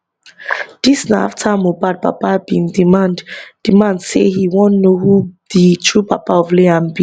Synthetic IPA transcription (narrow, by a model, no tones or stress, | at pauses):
d̥isnaa̰ftʰamobad̚pa̰pabĩndimandd̥imãndsehiwɔ̃nnoɦuð̥itʰɹupapaɔvleãmbĩ